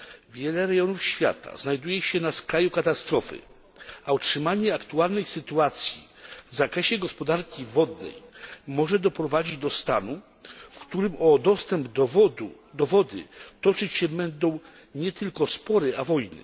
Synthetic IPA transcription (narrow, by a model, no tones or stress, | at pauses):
vʲjɛlɛɾɛɡjɔnufɕfʲja̰t̪a̰znajd̪ujɛɕɛnaskɾajukat̪ast̪ɾɔfɘ̰ | autʂɘmaɲɛakt̪ualnɛjsɘt̪uat̪sʲjḭvzakɾɛɕɛɡɔspɔd̪aɾkʲivɔd̪nɛ̰jmɔʐɛd̪ɔpɾɔvad͡ʑid͡ʑd̪ɔst̪a̰nu | fkt̪uɾɘmɔd̪ɔst̪ɛmb̪u | d̪ɔvɔd̪ɘ̰t̪ɔt͡ʂɘt͡ɕɕɛbɛnd̪ɔ̃w̃ | ɲɛt̪ɘlkɔspɔɾɛʔavɔjnɘ̰